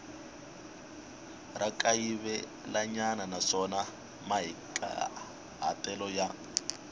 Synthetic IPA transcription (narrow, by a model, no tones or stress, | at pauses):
rʔakʼaiβɛ | laɲananaʂɔna | maɦikʼa̰ | ɦa̰tɛlɔja